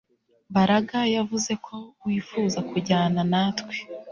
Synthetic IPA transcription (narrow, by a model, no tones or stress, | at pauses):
baɾaɡajavuze̞kʰo̞wifuːzakuɟaːnanatwe̥